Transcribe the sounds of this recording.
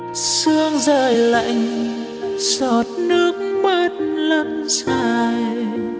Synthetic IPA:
sɨ˧əŋzəː˨˩jla̰˧˨jŋ̟ | sɔ˨˩t̚nɨ˦˥ək̚məː˧n̚lə˧˩nsaː˧j

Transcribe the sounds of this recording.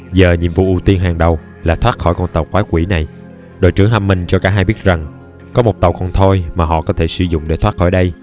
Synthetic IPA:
zəː˨˩ɲḭ˧˨mvṵ˧˨ʔu˧˩t̪i˧ənɦaː˨˩ŋɗə˨˩w | laː˨˩t̪ʰwaː˦˥t̚xɔ˧˩jkɔ˧nt̪ə˨˩wkwaː˨˦kwi˧˩na˨˩j | ɗo̰˧˨jt͡ɕɨ˧˩əŋɦa˧mːï˨˩ŋ̟t͡ɕɔ˧kaː˧˩ɦaː˧jɓi˦˥ət̚za˨˩ŋ | kɔ˨˦mo˨˩t̪ə˨˩wkɔ˧nt̪ʰo˧jmaː˨˩ɦɔ̰˧˨kɔ˨˦t̪ʰe˧˩sɨ˧zʊ̰˧˨ŋ͡mɗe˧˦t̪ʰwaː˦˥t̚xɔ˧˩jɗə˧j

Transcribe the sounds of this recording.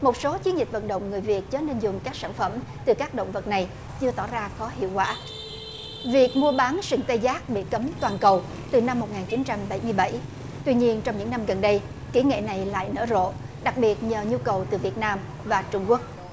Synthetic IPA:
mo˨˩t̚so˨˦t͡ɕi˨˦ənzi˨˩k̟̚və̰˧˨nɗə̰˧˨wŋ͡mŋɨ˨˩əjvi˨˩ət̚t͡ɕəː˨˦ne˧nzʊ˨˩ŋ͡mkaː˦˥k̚sa̰ː˧˩˨nfə˧˩mt̪ɨ˨˩kaː˦˥k̚ɗo̰˧˨wŋ͡mvə˨˩t̚na˨˩j | t͡ɕɨ˧ət̪ɔ˧˩zaː˧xɔ˨˦ɦḭ˧˨wkwa̰ː˧˩ | vi˨˩ək̚mu˧əɓaː˨˦nsɨ˧˩ŋt̪ə˧zaː˦˥k̚ɓḭ˧˨kə˨˦mt̪waː˨˩nkə˨˩w | t̪ɨ˨˩na˧mːo˨˩t̚ŋaː˨˩nt͡ɕi˨˦nt͡ɕa˧mɓa˧˩jmɨ˧əjɓa˧˩j | t̪wi˧ɲi˧ənt͡ɕɔ˧wŋ͡mɲɨ̰˧˥ŋna˧mɣə˨˩nɗə˧j | ki˧˩ŋḛ˧˨na˨˩jla̰ː˧˨jnə̰ː˧˩zo̰˧˨ | ɗa˨˩k̚ɓi˨˩ət̚ɲəː˨˩ɲu˧kə˨˩wt̪ɨ˨˩vi˨˩ət̚naː˧m | vaː˨˩t͡ɕʊ˧ŋ͡mku˦˥ək̚

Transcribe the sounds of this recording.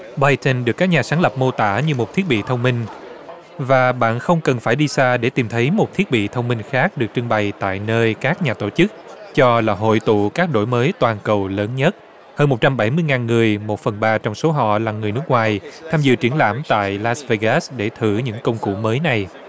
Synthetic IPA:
ɓaː˧jt̪ə˧nɗɨ˨˩əkːaː˦˥k̚ɲaː˨˩saː˨˦ŋlə˨˩p̚mo˧t̪a̰ː˧˩ɲɨ˧mo˨˩t̚t̪ʰi˦˥ət̚ɓḭ˧˨t̪ʰə˧wŋ͡mmï˧ŋ̟ | vaː˨˩ɓa̰ː˧˨nxə˧wŋ͡mkə˨˩nfaː˧˩jɗi˧saː˧ɗe˧˩t̪i˨˩mt̪ʰə˨˦jmo˨˩t̚t̪ʰi˦˥ət̚ɓḭ˧˨t̪ʰə˧wŋ͡mmï˧ŋxaː˦˥k̚ɗɨ˨˩ək̚t͡ɕɨ˧ŋɓa˨˩jt̪a̰ː˧˨jnəː˧jkaː˦˥k̚ɲaː˨˩t̪o˧˩t͡ɕɨ˦˥k̚t͡ɕɔ˧laː˨˩ɦo̰˧˨jt̪ṵ˧˨kaː˦˥k̚ɗo̰˧˩jməː˨˦jt̪waː˨˩nkə˨˩wləː˨˦nɲə˦˥t̚ | həː˧nmo˨˩t̚t͡ɕa˧mɓa˧˩jmɨ˧jŋaː˨˩nŋɨ˨˩əjmo˨˩t̚fə˨˩nɓaː˧t͡ɕɔ˧wŋ͡mso˨˦ɦɔ̰˧˨laː˨˩ŋɨ˨˩jnɨ˦˥k̚ŋwaː˨˩jt̪ʰaː˧mzɨ̰˧˨t͡ɕi˧˩ənla̰ː˧˩mt̪a̰ː˧˨jlaː˨˦˥sve˧ɣa˦˥sɗe˧˩t̪ʰɨ˧˩ɲɨ̰˧˥ŋkə˧wŋ͡mkṵ˧˩məː˨˦jna˨˩j

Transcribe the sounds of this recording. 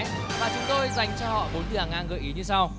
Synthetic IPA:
vaː˨˩t͡ɕʊ˨˦ŋ͡mt̪o˧jza˨˩jŋ̟t͡ɕɔ˧hɔ̰˧˨ɓo˨˦nt̪ɨ˨˧˩haː˨˩ŋʔaː˧ŋɣə̰ː˧˨jʔi˨˦ɲɨ˧sa˧w

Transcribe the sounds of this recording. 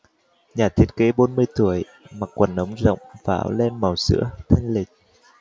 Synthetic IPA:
ɲaː˨˩t̪ʰi˨˦˥ət̚ke˨˦ɓo˨˦nmɨ˧əjt̪u˧˩əj | ma˨˩k̚kwə˨˩nʔə˨˦wŋ͡mzə̰˧˨wŋ͡mva̰ː˧˨˦wlɛ˧nma˨˩wsɨ̰˧˥ət̪ʰə˧jŋ̟lï˨˩k̟̚

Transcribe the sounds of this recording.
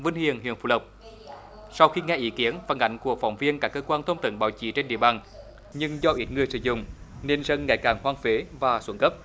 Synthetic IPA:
və˧˩nhḭ˧˨ənɦḭ˧˨ənfṵ˧˩lə˨˩wk͡p̚ | sa˧wxi˧ŋɛ˧ʔi˧˦ki˨˦ənfaː˧˩nʔa̰˧˩jŋ̟ku˧˩ək̚fa̰˧˩wŋ͡mvi˧ənkaː˦˥kːəː˧kwaː˧nt̪ʰə˧wŋ͡mt̪ə̰˧˨nɓa̰ː˧˩wt͡ɕḭ˧˩t͡ɕe˧nɗḭ˧˨əɓaː˨˩n | ɲɨ˧ŋzɔ˧ʔi˦˥t̚ŋɨ˨˩əjsɨ̰˧˨˦zʊ̰˧˨ŋ͡mne˧nzə˧nŋːa̰˧˩jkaː˨˩nhwaː˧ŋfe˨˦vaː˨˩swə˧˩˦nkə˦˥p̚

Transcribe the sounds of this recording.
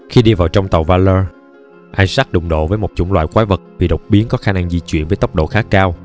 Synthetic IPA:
xi˧ɗi˧vaː˨˩wt͡ɕɔ˧wŋ͡mt̪ə˨˩wvaː˧ləː˧ | ʔa˧jsaː˦˥k̚ɗʊ˨˩ŋ͡mɗo̰˧˨vəː˨˦jmo˨˩t͡ɕʊ˧˦ŋ͡mlwa̰ː˧˨jkwaː˨˦və˨˩t̚vi˨˩ɗə˨˩wk͡p̚ɓi˨˦ənkɔ˨˦xaː˧na˧ŋzi˧t͡ɕwḭ˧ənvəː˨˦jt̪ə˦˥wk͡p̚ɗo̰˧˨xaː˦˥kːaː˧w

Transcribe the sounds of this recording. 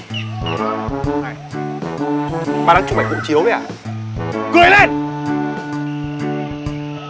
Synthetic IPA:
na˧˩j | maː˨˩laː˧˥t͡ɕu˧ŋ͡mɓa̰˨˧˨ŋ̟kʊ̰˧˥ŋ͡mt͡ɕi˨˦əwi˧˨ʔa̰ː˧˩ | kɨ˨˩˨jle˧˩n

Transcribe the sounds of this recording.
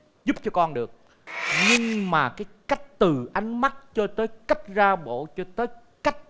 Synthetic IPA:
zu˦˥p̚t͡ɕɔ˧kɔ˧nɗɨ˨˩ək̚ | ɲɨ˧ŋmaː˨˩kaː˨˦jka˦˥k̚t̪ɨ˨˩ʔa˨˦jŋ̟ma˦˥t̚t͡ɕɔ˧t̪əː˨˦jka˦˥k̟̚zaː˧ɓo̰˧˨t͡ɕɔ˧t̪əː˨˦j | ka˦˥k̚

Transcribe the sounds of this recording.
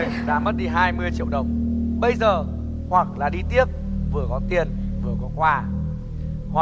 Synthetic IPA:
jɗa̰ː˧˥mə˦˥t̚ɗi˧˩ɦaː˧jmɨ˧əjt͡ɕḭ˧˩əwɗə˨˩wŋ͡mɓə˧jzəː˨˩ | hwa˨˩k̚la̰ː˨˩ɗi˧t̪i˦˥əp̚vɨ˨˩əkɔ˨˦t̪i˧˩ən | vɨ˨˩əkɔ˨˦kwaː˧ | hwa˨

